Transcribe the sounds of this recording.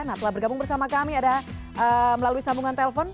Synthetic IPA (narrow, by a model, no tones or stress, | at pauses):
naht̪əlabərɡabuŋbərsamakamiada | ʔəməlaluisambuŋant̪eləfɔn